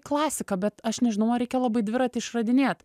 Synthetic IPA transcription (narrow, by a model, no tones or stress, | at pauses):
klˠɑːsʲɪkɐbʲɛt̪ɐʃnʲɛʒʲɪnɐʊɾʲɛɪkʲɛlˠɑbɐɪd̪ʲʋʲɪɾɐt̪ʲɪɪʃrɐd̪ʲɪnʲeːt̪